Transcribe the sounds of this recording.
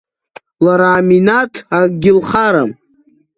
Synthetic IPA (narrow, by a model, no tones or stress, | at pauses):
laɾaːminatʰaɡʲɪlχaɾam